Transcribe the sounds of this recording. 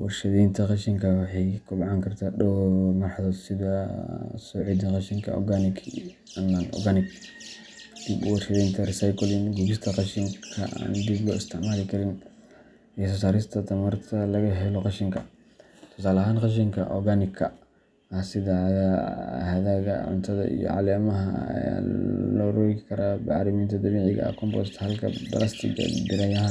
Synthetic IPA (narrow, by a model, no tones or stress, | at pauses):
wɔ̰rʃɐðiːnt̪ʰɐqɑʃɪŋkʰɐwɑħɑjkʰʊbɑʕɑŋkʰɐrt̪ʰaːɗɔwmɐrħɑðɔːd̪sɪðɐsɔːʕiːd̪ɐqɑʃɪŋkʰɐ̰ɔ̰ɡanɪkʰ | ɐnanʔɔ̰ɡanɪɡ | d̪̥ibwɔrʃɐðiːnt̪ʰɐrɪsajkʰɔlɪnɡuɡɪst̪ʰɐqɑʃɪŋkʰɐ̰a̰ːnd̪iblɔɪ̰st̪ʰɪʕmaːlɪkʰɐɾɪn | ʔɛːsɔs̬aːɾɪst̪ʰɐt̪ʰɐmɐrt̪ʰɐlɐɣɐɦɛlɔqɑʃɪŋkʰɐ | t̪ʰɔ̥saːlɐɦaːnqɑʃ̬ɪŋkʰɐ̰ʔɔ̰ɡanɪkʰɐ | ɐhsɪðɐðɐhɐðaːɣɐ̰ʕʊ̰nt̪ʰɐðɐ̰ʔḭjɔ̰ʕɑ̰lɛːmɐɦɐɐ̰ja̰ːlɔɾɔjkʰɐɾabɑʕɾɪmiːnt̪ʰɐd̪ɐmiːʕɪɣɐ̰ɐ̰kʰɔmbɔ̰st̪hɐlkʰɐ̰bɐ̰lɐst̪ʰɪ̰ɡɐ̰bɪɾɐjɐɦa